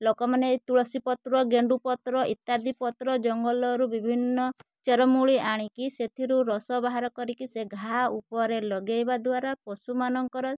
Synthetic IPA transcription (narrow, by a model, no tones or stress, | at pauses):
lokɔmanet̪uɭɔsipɔt̪ɾɔɡeɳɖupɔt̪ɾɔʔit̪ːad̪ipɔt̪ɾɔd͡ʒɔŋɡɔlɔɾubibʱinːɔt͡ʃɔɾɔmuɭiʔaɽ̃ikiset̪ʰiɾuɾɔsɔbaɦaɾɔkɔɾikiseɡʱaupɔɾelɔɡejbad̪waɾapɔsumanɔŋkɔɾɔ